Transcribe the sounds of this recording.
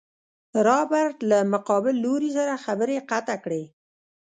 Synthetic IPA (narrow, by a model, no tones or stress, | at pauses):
ɾɑbaɾt̪lamʊqɑbɪlːoɾis̬aɾaxabəɾeqat̪akɽe